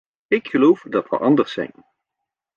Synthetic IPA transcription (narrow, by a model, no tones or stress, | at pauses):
ɪkχəlowfdɑtʋə̰ʔɑndəɹsɛ̰jn